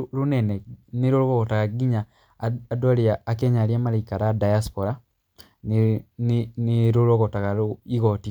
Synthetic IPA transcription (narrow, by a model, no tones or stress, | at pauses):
ɾunɛnɛniɾoɾoɣoɣotaɣaɡiɲaː | dwaliaːkeɲaɾjamalaikaɾadajaspoɾa | ninniɾuɾoɣotaɣaɾuiɣoti